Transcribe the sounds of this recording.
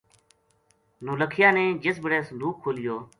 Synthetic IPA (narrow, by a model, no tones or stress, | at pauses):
noːləkʰɪjãːnẽːd͡ʒəsbəɽeːsənd̪uːkʰːoːlɪjoː